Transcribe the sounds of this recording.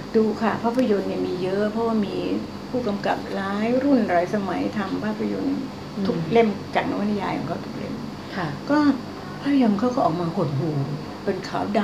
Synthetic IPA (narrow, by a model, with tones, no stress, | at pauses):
duː˧kʰa˥˩pʰaː˥˩pʰːa˧jo˧nːi˥˩miː˧jɤ˦˥ʔpʰɔ˦˥waː˥˩miː˧ | pʰuː˥˩ka˧mka̰˨˩p̚laː˦˥jɾu˥˩nɾaː˨˩jsa˧ma˩˦jt̪ʰa˧mpʰaː˥˩pʰːa˧jo˧n | t̪ʰu˨˩k̚le˥˩mt͡ɕaː˨˩k̚na˦˥wt̪ʰa˧jaː˧kʰɔ̰ː˨˦ŋkʰa˥˩t̪u˨˩k̚lḛ˥˩mʰ˧˩ | kɔː˥˩ | pʰaː˥˩pʰa˧jo˧nkʰaː˥˩wkʰɔː˥˩ʔɔː˨˩k̚maː˧ho˨˩t̪̚ɦuː˧˩ | pe˧nkʰaː˩˦wda˧